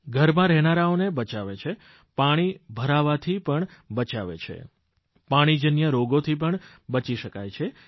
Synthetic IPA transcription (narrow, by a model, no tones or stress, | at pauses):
ɡʱəɾmãɾɛɦnaɾaonebət͡ʃaʋet͡ʃʰe | paɽ̃ibʱəɾaʋat̪ʰipəɳbət͡ʃaʋḛt͡ʃʰḛ | paɽ̃id͡ʒənjəɾoɡot̪ʰip̬əɳ | bət͡ʃiʃəkajt͡ʃʰe